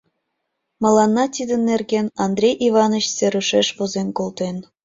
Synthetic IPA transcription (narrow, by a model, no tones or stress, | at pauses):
mɤ̆lɑnːɑt̪ʲid̪ə̆nːerɡenɑnd̪rʲejʔivɑnəɕseɾuʃeʃβozenkolt̪en